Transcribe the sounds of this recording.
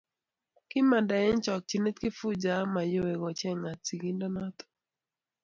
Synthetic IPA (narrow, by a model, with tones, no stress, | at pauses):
kɪ˦ma˨da˨ɛ˦nt͡ʃɔ˨k̚t͡ʃi˨ne˦t̪ki˦fu˦d͡ʒa˨˦ma˨jo˦e˨ɡɔ˨t͡ʃɛ˦ŋa˨si˨ɡi˦ndɔ˦na˦t̪ɔ̥˨